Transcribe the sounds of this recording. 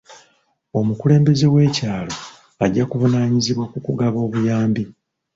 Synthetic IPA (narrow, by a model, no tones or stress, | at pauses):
o̞mukule̞ːmbe̞ze̞we̞ːcaːlo̞ | aɟːakuvunaːɲiziβwakukuɡaβo̞ːβujaːmbi